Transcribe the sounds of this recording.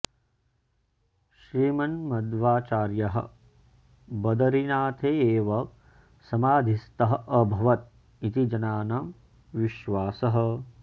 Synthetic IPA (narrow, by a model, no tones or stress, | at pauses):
ʃɾiːmɐnmɐd̪ʋaːt͡ʃaːɾjɐɦɐ̰̆ | bɐd̪ɐɾinaːt̪ʰeːeːʋɐ | sɐmaːd̪ʱist̪ɐɦɐ̆ʔɐbʱɐʋɐt̪̚ | it̪id͡ʒɐnaːnam | ʋiʃʋaːsɐɦɐ̆